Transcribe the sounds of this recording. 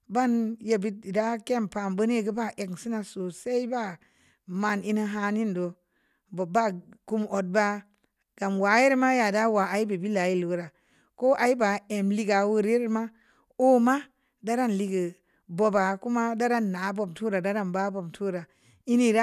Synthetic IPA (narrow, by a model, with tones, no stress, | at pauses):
ba˦nje˨bi˦t̚i˨da˦ke˦˨mpa˨mbə˦n˦e˦ɡə˦ba˦ʔe˨ksi˦na˨so˨sa˦i˦ba˦ | ma˨ni˦ni˦ɦa˧ni˦ndo˨ | bba˦ku˦mo˨d̚ba˦ | ɡ̥a˨mwa˨je˦ɾma˦ja˨da˦wa˨a˨˦i˦be˨bi˦la˨˦ji˦lu˨ɡɾa˨ | ko˦ʔa˨i˦ba˨e˨mli˦ɡa˨wu˦ɾe˦ɾma˦ | o˦ma˦ | da˦ɾa˦˨nli˨ɡə˨ | bo˨ba˨ku˦ma˦da˦ɾa˦nːa˨˦bo˦btu˦ɾa˨da˦ɾa˦nba˦bo˨btʰu˦ɾa˨ | i˦ni˦ɾa˦